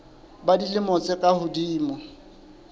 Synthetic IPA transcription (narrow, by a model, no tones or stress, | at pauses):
badilɪmɔt͡sʼɪkʼahʊdiːmɔ